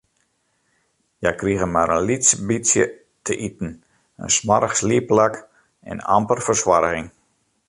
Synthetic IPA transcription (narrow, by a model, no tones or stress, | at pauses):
jajkriəɣəmaɾənlitsəbisjə̰ | tʰəʔitn̩ | ə̰nsmaɾəxsliəplak | ɛ̰na̰mpərfərswaɾɣɪŋ